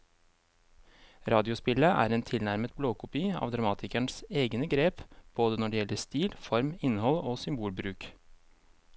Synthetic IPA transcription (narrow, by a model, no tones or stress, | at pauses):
ɾɑːd̪ɪʊspɪləʔæ̰ːɾeːnt̪ʰɪlnæɾmət̪̚bloːkʊpiːɑ̰ːʋd̪ɾɑmɑːt̪ʰɪkæɳseːɡnəɡɾeːpb̥oːd̪ənɔɖɛjɛləst̪iːlfɔɾmɪnːhɔloːsʏmbuːlbɾʉːk